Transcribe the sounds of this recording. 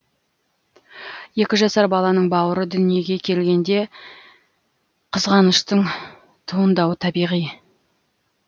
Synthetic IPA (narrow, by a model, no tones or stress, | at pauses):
je̞kʲɪʒɑsɑɾbɑlˠɑnəɴbɑwəɾəd̪ʏnije̞ɡʲe̞kʲʰe̞lɡʲe̞nd̪e̞ | qʰəzʁɑnəʃt̪əɴ | t̪ʰuənd̪ɑwət̪ʰɑbijʁij